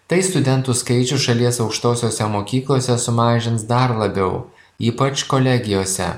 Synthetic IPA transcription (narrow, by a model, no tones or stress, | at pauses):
t̪ɐɪst̪ʊd̪ʲɛnt̪uskɐɪt͡ʃʲʊʃɐlʲiɛsɒʊkʃt̪oːsʲoːsʲɛmoːkʲiːklˠoːsʲɛsʊmɑːʒʲɪnsd̪ɐɾlˠɐbʲɛʊ | iːpɐt͡ʃkoːlʲɛɡʲɪjoːsʲɛ̰